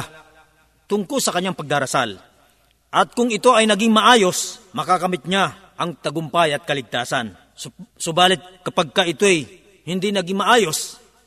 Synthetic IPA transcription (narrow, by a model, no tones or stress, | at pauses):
t̪ʊŋkolsɐkɐɲːaŋpɐɡ̚d̪aːɾɐsa̰l | ʔɐt̪̚kʊŋɪt̪o̞ʔɐjnɐɡɪŋmɐʔaːjo̞smɐkakɐmɪt̪̚ɲa | ʔɐŋt̪ɐɡʊmpajɐt̪̚kɐlɪɡ̚t̪aːsɐn | ssobaːlɪt̪̚kɐpaɡ̚kaɪt̪oj | hɪnd̪inɐɡiŋmɐʔaːjo̞s